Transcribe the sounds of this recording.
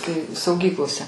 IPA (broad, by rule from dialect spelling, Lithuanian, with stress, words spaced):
tɐɪ sɐʊˈɡʲiːklˠoːsʲɛ